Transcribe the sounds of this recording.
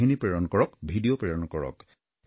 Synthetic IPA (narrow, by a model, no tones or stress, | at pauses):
inipɹɛɹɔnkɔɹɔkbʱidijopɹɛɹɔnɔkɔɹɔ̰k